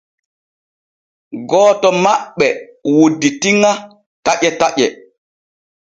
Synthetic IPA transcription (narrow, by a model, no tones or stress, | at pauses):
ɡɔːtɔmaɓːɛwodːitiŋa | taʔɛtaʔɛ